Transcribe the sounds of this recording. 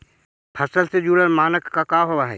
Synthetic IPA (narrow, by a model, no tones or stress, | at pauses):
pʰəsəlsed͡ʒuːɽəɾmaːnəkːakaɦowaɦɛ̰ː